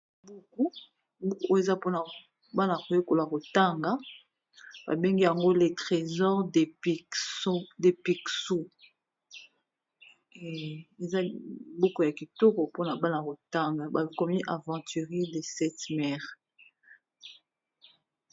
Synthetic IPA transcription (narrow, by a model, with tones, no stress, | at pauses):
bu˦ku˦ | bu˦ko˦e˨za˦po˦na˨ | ba˦na˨ko˨jo˦ko˨la˨ko˨ta˦ŋɡa˦ | ba̰˨be˦ŋɡi˦ja˨ŋɡo˦le˨tʁe˨zɔ˦ʁde˨p | de˨pi˨ksu˦ | e˨za˦bu˦ko˨ja˨ki˨to˦ko˨po˦na˨ba˦na˨ko˨ta˦ŋɡa˨ba˨kɔ˦mi˦ʔa˨vɑ̃˨ty˨ʁi˦de˨sɛ˦tmɛ˦ʁ